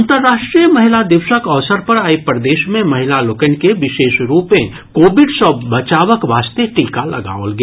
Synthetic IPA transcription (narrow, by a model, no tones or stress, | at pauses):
nt̪əɾːaːʃʈɾijəmɐɦɪlad̪ɪʋsəkəʋsəɾpɐɾaːipɾəd̪eːʃmẽmɐɦɪlalʊkənkeʋɪʃeːʃɾuːpẽ | koːbɪɖsəbət͡ʃaːʋəkʋaːst̪eʈiːkalɐ̰ɡa̰ːolɡ